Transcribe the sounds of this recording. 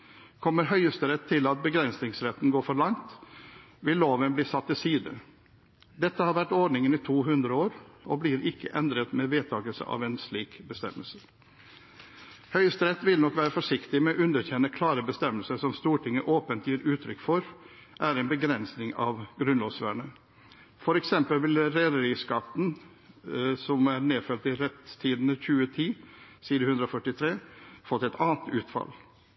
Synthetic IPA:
kʰɔmːəɾɦœʏəst̪əɾɛt̪ʰːɪlɑt̪̚bəɡɾɛnsnɪŋsɾɛt̪ːn̩ɡoːɾfɔɭɑŋt̪ | ʋɪlloːʋənbliːsɑt̪ːɪsiːd̪ə | d̪ɛt̪ːəhɑːɾʋæʈɔɖnɪŋəniːt̪ʰuːɦʉnd̪ɾəoːɾɔbliːɾɪkːə̰ʔɛnd̪ɾət̪mɛʋeːt̪ʰɑːɡəlsə̰ʔɑ̰ːʋɛnsliːkbəst̪ɛ̰məlsə | hœʏəst̪ɾɛt̪ːʋɪlnɔkʋæːɾəfɔʂɪkt̪ɪmɛɔʔʉnd̪əɾçɛnəkʰlɑːɾəbəst̪ɛmːəlsəsɔmst̪uːʈʰɪŋːəʔoːpənt̪ʰjiːɾʉːt̪ʰɾʏkːfɔɾ | ʔæɾɛɪnbəɡɾɛnsnɪŋɑ̰ʋɡɾʉnloːsʋæ̰ːɳə | fɔɾɛksɛmpəlʋɪlɾeːd̪əɾiːskɑt̪ːn̩ | sɔmæɾneːfœlt̪ɪɾɛt̪t̪ʰiːd̪nəçʉːət̪ʰiːsiːd̪əhʉnd̪ɾɔfœʈɪt̪ʰɾeːfɔt̪ːɛt̪ɑːnt̪ʉːt̪fɑ̰l

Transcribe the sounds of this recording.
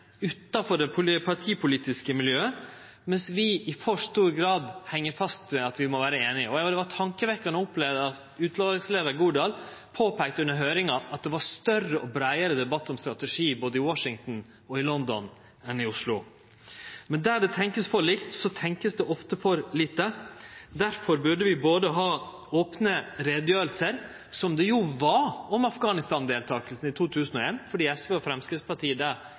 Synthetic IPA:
ʉːt̪ːɑfɔɖɛpʰʊpʰɑʈʰiːpʰʊliːt̪ɪskəmɪljøːə | mɛnsʋɪɪfɔʂt̪uːɾɡɾɑːd̪hɛŋːəɾfɑst̪mɛɑt̪ʋɪmɔʋæːɾəeːnɪɔjɑd̪ɛʋɑʈʰɑŋkəʋɛkːɑɳəʊplɛʋd̪əɑt̪ʉːt̪loːɾɪŋsleːd̪əɾɡuːɖ̪eːl | pʰoːpʰæɪk̚t̪əʉnːəɾɦøːɾɪŋɑʔɑt̪̚d̪ɛʋɑɾst̪œrəʔɔbɾæɪəɾəd̪ɛbɑt̪ʰːɔmst̪ɾɑt̪ɛʂiːboːd̪əɪwɑʂɪŋt̪n̩ | ɔɪlɔnd̪ɔ̰n | ɛnɪʊʂlʊ | mɛnd̪æɖɛt̪ʰɛŋkəsfɔɾɭɪkt̪sɔt̪ʰɛŋkəsd̪ɛʔɔft̪əfɔɾlɪːt̪ːəd̪æɾfɔɾbʉɖəʋɪboːd̪əɦɑː | oːpnəɾeːd̪jøːɾəlsəɾ | sɔmd̪ɛjʊʋɑɾɔmɑfɡɑːnɪst̪ɑːnd̪eːlt̪ʰɑːkəlsn̩ɪt̪ʰuːt̪ʰʉːsn̩ɔeːnfɔɖiːɛsʋeːɔfɾɛmskɾɪtspɑɾʈʰiːəɖ̪æɾ

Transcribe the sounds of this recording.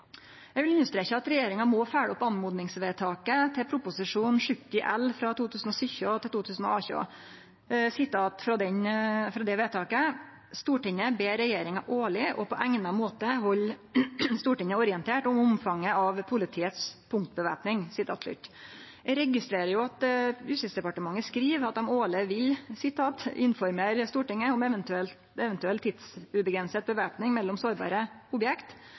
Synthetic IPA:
jɛɡʋɪlʏnːəst̪ɾɛçəɑt̪ɾɛjeːɾɪŋɑmɔːfæːɽɔpːɑnmuːd̪nɪŋsʋeːt̪ʰɑːkət̪ʰɪpʰɾʊpʊsɪʂuːnʂʏkt̪ɪʔɛ̰lːfɾɑt̪ʰuːt̪ʰʉːsn̩ɔsʏçʉɑt̪ɪlt̪uːt̪ʰʉːsn̩ɔ̰ɑːçʉ̰ɑ̰ | sɪt̪ɑːt̪fɾɔd̪ɛnfɾɑd̪ɛʋeːt̪ʰɑːkə | st̪uːʈɪɲəbeːɾɛjeːɾɪŋɑʔoːɭɪʔɔpʰɔʔæŋnɑmoːt̪əɦɔlː | st̪uːʈɪŋəɔɾɪɛnt̪ʰeːʈʊmʊmfɑŋːəɑʋpʰʊlɪt̪ʰiːət̪spʰʊŋkt̪bəʋæ̰ːpnɪŋsɪt̪ʰɑ̰ːt̪ʂʉ̰t̪ː | ɛɾɛɡɪst̪ɾeːɾəɾjʊɑt̪ɾʉsɪsd̪ɛpɑʈəmɑŋːəskɾiːʋɑt̪ɑmoːlɪʋɪlsɪt̪ʰɑːt̪ʔɪnfɔɾmeːɾst̪uːʈɪŋːəʊmɛʋənt̪ʉɛlt̪ɛʋɛnt̪ʉɛlt̪ʰːɪd̪sʉbəɡɾɛnsət̪̚bəʋæːpnɪŋmɛlːɔmsoːɾbɑ̰ːɾəʊbjɛkt̪

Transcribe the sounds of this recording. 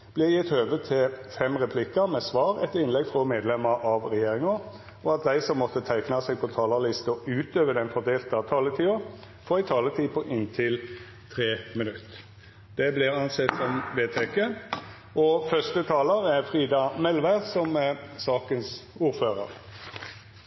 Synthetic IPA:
b̥lɪjɪt̪høːʋət̪ʰɪfɛmʁɛpʰlɪkəɾmɛsʋɑːɾɛt̪ɪnlɛɡfʁɔmeːd̪lɛməɾɑʋɾɛjeːʁɪŋə | ɔɑt̪̚d̪æɪsɔmːɔt̪ːət̪ʰæɪknɑsɛɪɡ̚pʰɔt̪ʰɑːləlɪst̪əɔʉːt̪øːʋəd̪ɛnfɔd̪eːlt̪ɑt̪ʰɑːlət̪ʰiːʊ | fɔːɪt̪ʰɑːlət̪ʰiːpʰɔʔɪnt̪ʰɪl | t̪ʰʁeːmɪnʉt̪ː | d̪̥ɛblɪʁɑnsɛt̪sɔmʋeːt̪ʰɛkə | ʔɔfœst̪ət̪ʰɑːləɾɛʁfʁiːd̪ɑmɛlʋæʁsɔmsɑːkənsuːɾføːʁə̰ʁ

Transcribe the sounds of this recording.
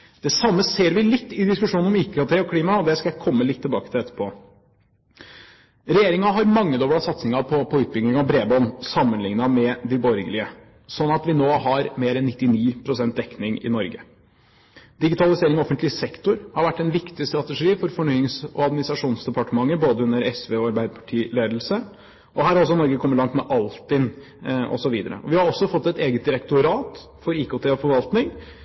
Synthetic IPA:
d̪̥ɛsɑmːəseːɾʋɪlɪt̪ːɪd̪ɪskʉʂuːnnɔmɪkːɑt̪ʰeːɔkʰliːmɑɔd̪ɛskɑjæɪkʰɔmːəlɪt̪ʰːɪlbɑːkət̪ʰɪlɛt̪ːə̥ɾpʰoː | ɾɛjeːɾɪŋɑɦɑɾmɑŋːəd̪ɔːbɽɑsɑt̪snɪŋɑpʰɔpʰɔʉːt̪̚bʏŋɪŋɑbɾeːbɔnsɑmːənlɪŋnɑmɛd̪ɪbɔɾɡəlɪə | sɔnːɑt̪ʋɪnoːɦɑɾmeːɾɛnːɪt̪ːɪniːpʰɾʊsɛnt̪̚d̪ɛkːnɪŋɪ̰nɔɾɡə̰ | d̪ɪɡɪt̪ʰɑlɪseːɾɪŋɔɔfənt̪lɪsɛkt̪ʊɾhɑɾʋæʈːɛnʋɪkt̪ɪst̪ɾɑt̪əʂiːfɔɾfɔɳyːɪŋsɔ̰ɑd̪mɪnɪsɾɑʂuːnsd̪ɛpʰɑʈəmɑŋːəboːd̪əʉnːəɾɛsʋeːɔɑɾbæɪd̪əpʰɑ̥ʈʰiːleːd̪l̩sə | ʔɔɦæːɾɔlsɔnɔɾɡəkʰɔmːəlɑŋt̪mɛʔɑlt̪ɪn | ʔɔ̰sɔʋiːd̪əɾə̰ɔʋɪhɑɾɔsːɔfɔt̪ːɛt̪eːɡət̪̚d̪ɪɾɛkt̪ʊɾɑːt̪ | fɔɾiːkoːt̪ʰɛɔfɔɾʋɑlt̪nɪŋ

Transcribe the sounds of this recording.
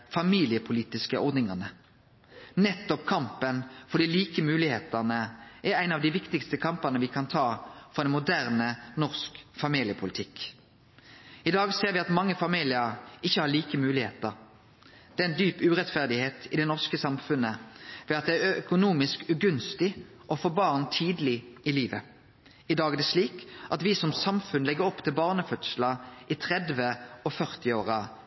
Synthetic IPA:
fɑmiːlɪəpʰʊliːt̪ɪskəʔɔʁd̪nɪŋɑnə | nɛt̪ːɔpkʰɑmpənfɔʁd̪iːliːkəmʉːlɪheːt̪ənəʔæɾæɪnɑʋd̪ɪʋɪkt̪ɪkst̪əkʰɑmpənəʋɪkʰɑnt̪ʰɑːfɔʁd̪ɛnmʊd̪æːʁnənɔʁskfɑmiːlɪəpʰʊlɪt̪ʰɪk | ɪd̪ɑːɡseːɾʋɪɑt̪mɑŋːəfɑmiːlɪəɾɪçːəhɑːʁliːkəmʉːlɪheːt̪əʁ | d̪̥ɛːæɪnd̪yːpʉːʁɛt̪fæʁd̪ɪheːt̪ɪd̪ɛnɔʁskəsɑmfʉnəʋɛɑt̪̚d̪ɛæœkʊnuːmɪskʉɡʉnst̪ɪ | ʔɔfoːbɑːʁnt̪ʰiːd̪lɪɪliːʋə | ɪd̪ɑːɡɛd̪ɛʂliːkʔɑt̪ʋɪsɔmsɑmfʉnlɛɡəɾɔpːt̪ʰɪlbɑːʁnəfœt̪slɑʔɪt̪ʰʁɛd̪ʋəɔfœʁt̪ɪoːʁɑ

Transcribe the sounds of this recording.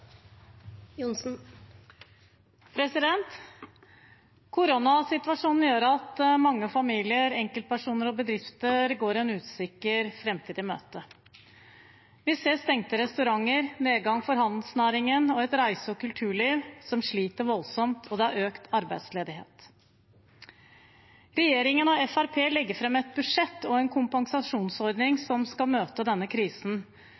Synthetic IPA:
jʊn̩ | pʰɾɛsɪd̪ɛnt̪ | kʰʊɾunɑsɪt̪ʋɑʂuːnn̩jøːɾɑt̪mɑŋːəfɑmiːlɪəɾɛŋkəlt̪̚pæʂuːnəɾɔbəd̪ɾɪft̪əɾɡoːɾɛnʉːt̪sɪkːəɾfɾɛmt̪ʰiːd̪ɪmø̰ːt̪ə | ʋɪseːst̪ɛŋt̪əɾɛst̪ʉɾɑŋːəɾneːɡɑŋfɔɾɦɑnd̪l̩snæːɾɪŋənɔɛt̪ɾæɪsəɔkʉlt̪ʰʉːɭiːʋsɔmʂɭiːt̪əɾʋɔlsɔmt̪ʰɔd̪ɛæɾøːkt̪ʰɑɾbæɪd̪sleːd̪ɪɦḛːt̪ | ɾɛjeːɾɪŋənɔɛfæɾpʰeːlɛɡːəfɾɛmɛt̪̚bʉʂɛt̪ːɔɛnkʰʊmpɑnsɑʂuːnsɔɾd̪nɪŋsɔmskɑlmøːt̪əd̪ɛnːəkʰɾiːsn̩

